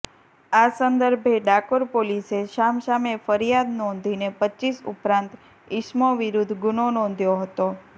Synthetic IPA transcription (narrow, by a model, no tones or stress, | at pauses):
asənd̪əɾbʱeɖakoɾpoliseʃamʃamefəɾijad̪nɔ̃nd̪ʱinepətːt͡ʃːisṵpɾãnt̪ | ɪʃmoʋiɾud̪ʱɡʊnonɔ̃nd̪ʱjoɦət̪o